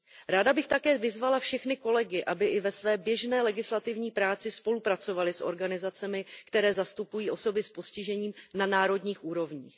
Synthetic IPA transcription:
ɾaːdabɪxt̪akɛːvɪzvalafʃɛxnɪko̞lɛɡɪʔabɪʔɪvɛsvɛːbjɛʒnɛːlɛɡɪslat̪ɪvɲiːpɾaːt͡sɪspo̞lupɾat͡so̞valɪsʔo̞̰ɾɡanɪzat͡sɛmɪkt̪ɛɾɛːzast̪upujiːʔo̞so̞bɪspo̞scɪʒɛɲiːmnanaːɾo̞dɲiːxʔuːɾo̞vɲiːx

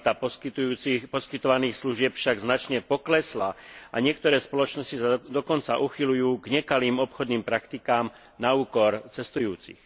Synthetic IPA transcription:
t̪apɔkit̪uːipɔskit̪ɔʋaniːxsluʒɪɛpfʃaɡznat͡ʃɲɛpɔklɛslaaɲɪɛkt̪ɔɾɛːspɔlɔt͡ʃnɔscisad̪ɔkɔnt͡saʔuxilujuːɡɲɛkaliːmɔpxɔd̪niːmpɾakt̪ikaːm | nauːkɔɾt͡sɛst̪ujuːt͡sḭx

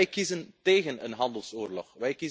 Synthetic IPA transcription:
jkizənteːɣənə̰nɦɑndəlˠsoːrlɔxʋɛjki

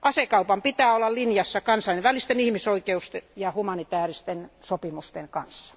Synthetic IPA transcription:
ʔɑsekɑupɑmpit̪æːolːɑllinjɑsːɑkɑnsɑlineʋʋælist̪enihmisoikeust̪ejɑhumɑnit̪æːrist̪ensopimust̪eŋkɑnsːɑ̥

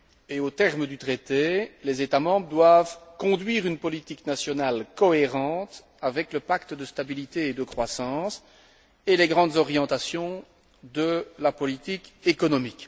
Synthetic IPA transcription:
eot̪ɛʁməd̪yt̪χet̪elezet̪amɑ̃bʁəd̪wavkɔ̃d̪ɥiːʁynpɔlit̪iknasjɔnalkɔeʁɑ̃ːt̪ | avɛkləpakt̪əd̪əst̪abilit̪eːd̪əkχwasɑ̃s | eleɡʁɑ̃d̪zɔʁjɑ̃t̪asjɔ̃ | d̪əlapɔlit̪ikekɔnɔmik

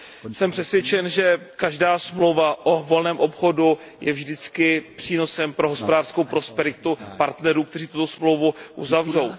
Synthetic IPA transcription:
sɛmpr̥ɛsvjɛt͡ʃɛnʒɛkaʒdaːsmlo̞wvaʔovo̞lnɛːmʔo̞pxo̞du | jɛvʒdɪt͡skɪpr̥iːno̞sɛmpɾo̞ɦo̞spo̞daːrskowpɾo̞spɛɾɪt̪upaɾt̪nɛɾuːkt̪ɛriːt̪ut̪o̞smlo̞wvuʔuzavro̞w

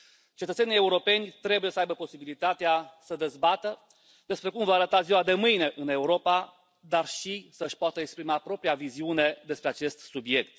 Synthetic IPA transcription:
t͡ʃe̞t̪ət̪senʲije̞uɾo̞pe̞nʲt̪ɾe̞buje̞səajbəpo̞sibilit̪at̪easəd̪e̞zbat̪ə | d̪e̞spɾe̞kumvaaːɾət̪aziwad̪e̞mɨjne̞ʔɨne̞uɾo̞pa | d̪arʃisəɨʃpoat̪əekspɾimapɾo̞pɾijaviziune̞d̪e̞spɾe̞at͡ʃe̞st̪subje̞k̚t̪

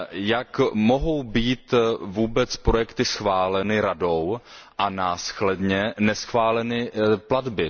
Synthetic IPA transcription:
jakmo̞ɦo̞wbiːt̪vuːbɛt͡spɾo̞jɛkt̪ɪsxvaːlɛnɪɾado̞w | ʔanaːsxlɛdɲɛnɛsxvaːlɛnɪpladbɪ

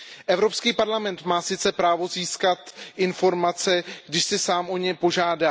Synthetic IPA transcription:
ʔɛvɾo̞pskiːpaɾlamɛnt̪maːsɪt͡sɛpɾaːvo̞ziːskat̪ʔɪnfo̞ɾmat͡sɛɡ̥dɪʃsɪsaːmʔo̞ɲɛpo̞ʒaːda

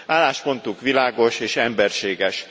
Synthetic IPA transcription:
aːlːaːʃpo̞nt̪ukʋilaːɡo̞ʃeːʃɛmbɛrʃeːɡɛʃ

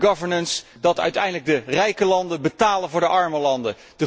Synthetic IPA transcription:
ɡɑvəɹnənsd̥ɑtœ̰ɥtɛ̰jndələɡ̚dərɛjkəlɑndənbətaːləvʊːɹdəʔɑɹməlɑndə | d̥ə

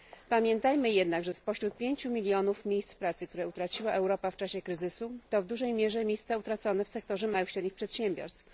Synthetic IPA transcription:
pamʲjɛnt̪ajmɘjɛd̪naɡʐɛspɔɕɾut̪̚pʲjeɲt͡ɕumʲilʲjɔnufmʲjejst̪spɾat̪sɘkt̪uɾɛut̪ɾat͡ɕiwaʔɛwɾɔpaft͡ʂaɕɛkɾɘzɘsut̪ɔvd̪uʐɛjmʲjɛʐɛmʲjejst̪saut̪ɾat̪sɔnɛfsɛk̚t̪ɔʐɛmawɘxɕɾɛd̪ɲixpʂɛt̪ɕɛmbʲɔ̰ɾst̪f

